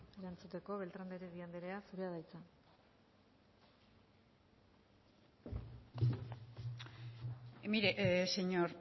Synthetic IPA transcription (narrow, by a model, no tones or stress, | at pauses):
e̞ɾant͡sut̪e̞ko̞βe̞lt̪ɾand̪eɾeβiand̪e̞ɾe̞asuɾeað̞ajt͡sa | emiɾeseɲoɾ